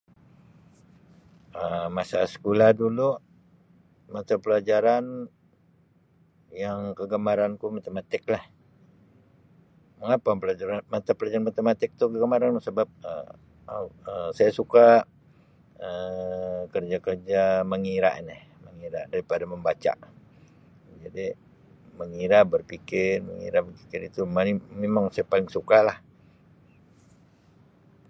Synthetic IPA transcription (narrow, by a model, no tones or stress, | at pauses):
əmasasə̥kulahdulu | mat̪apəlad͡ʒaɾan | jaŋkəɡəmaɾankumat̪əmat̪ɪk̚lah | məŋapapəlad͡ʒaɾanmat̪apəlad͡ʒaɾanmat̪əmat̪ɪk̚t̪ukəɡəmaɾanusəbap̚ə̰ | əsajasuka | ə | kərd͡ʒakərd͡ʒaməŋiɾa̰ʔnɛhməŋiɾa̰daɾipadaməmbat͡ʃa̰ʔ | d͡ʒadi | məŋiɾabərpikɪrmə̰ŋḭɾabərpikɪɾit̪umalimemaŋsajapalɪŋsukalah